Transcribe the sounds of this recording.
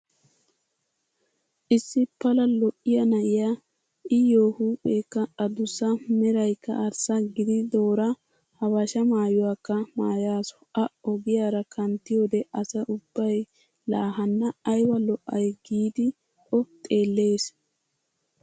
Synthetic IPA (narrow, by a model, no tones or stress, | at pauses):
ʔɪsːɪpːɐlɐlɔʔːɪjɐnɐʔɪja | ɪjoːhuːpʼːeːkːɐɐd̪ʊsɐmɛɾɐjkːɐ̰ʔɐɾsɐɡɪd̪ɪd̪o̞ːɾɐ | hɐbɐʃɐmaːjʊwaːkːɐma̰ːjaːsɔ̥ʔɐɔɡɪjaːɾɐkʰɐnt̪ːɪjo̞ːd̪ɛʔɐsɐʔʊb̥ːɐj | laːɦɐnːɐːjwɐlɔʔːɐjɡiːd̪ɪ | ʔɔt̪ʼe̞ːlːe̞ːs